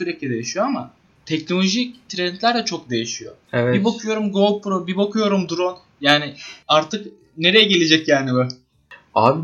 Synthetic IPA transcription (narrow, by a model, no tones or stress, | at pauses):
syɾeclʲid̪e̞jiʃijoama | t̪ʰɛcno̞lʲo̞ʒict̪ʰɾɛnt̪ʰlʲæɾd̪ʲɛt͡ʃʰo̞k̚d̪e̞jiʃijo̞evɛbibokʰujo̞ɾumɡo̞lˠpʰɾobibokʰujo̞ɾumd̪uɾon | jaːnɪaɾt̪ʰɯk | ne̞ɾe̞jɛɟe̞lʲed͡ʒɛcjaːnibɛ | ab